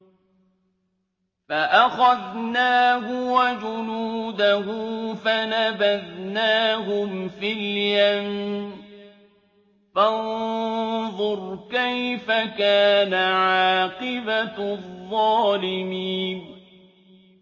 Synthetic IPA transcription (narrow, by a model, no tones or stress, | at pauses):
faʔaxaðnaːhʊwad͡ʒʊnuːd̪aɦʊfanabaðnaːɦʊmfiljam | fann | ðˤʊɾkajfakaːnaʕɑːqɨbaðˤːɑːlɪmiːn